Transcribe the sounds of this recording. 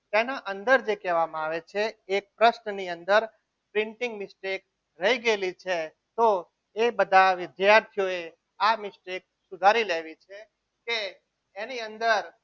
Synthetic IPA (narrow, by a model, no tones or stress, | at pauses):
t̪enaʔənd̪əɾd͡ʒekɛʋamãaʋet͡ʃʰeːk̚pɾəsnəniənd̪əɾ | pɾɪ̃ɳʈɪ̃ŋɡmɪsʈek̚ | ɾəɦiɡelit͡ʃʰe | t̪o | ebəd̪ʱaʋɪd̪jaɾt̪ʰijoe | amɪsʈek̚ | sʊd̪ʱaɾileʋit͡ʃʰe | keː | niənd̪əɾ